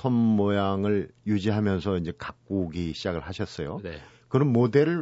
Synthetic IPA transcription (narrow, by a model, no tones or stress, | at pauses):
ʌmːojaŋɯɭjud͡ʑiɦamjʌnsʰʌind͡ʑe̞kak̚k͈uɡiɕʰid͡ʑaɡɯɭhaɕʰʌs͈ʌjo̰ | kɯɾʌnmode̞ɾɯɭ